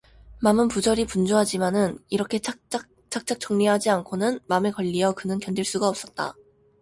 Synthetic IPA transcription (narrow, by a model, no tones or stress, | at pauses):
mamɯnpud͡ʑʌɾipund͡ʑoɦad͡ʑimanɯniɾʌkʰe̞t͡ɕ͈ʰ | t͡ɕ͈ak̚t͡ɕ͈ak̚t͡ɕ͈ʌŋɲiɦad͡ʑiankʰonɯnmamekʌʎːiʌkɯnɯnkjʌnd͡ʑiɭs͈uɡaʌp̚s͈ʌt̚t͈a̰